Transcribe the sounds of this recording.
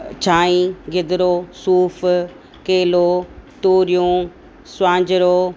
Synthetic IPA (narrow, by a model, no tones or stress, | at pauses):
t͡ɕʰaːĩɡɪd̪ɾosuːf | keːlot̪oːɾijũ | sʊãːɲd͡ʑɪɾo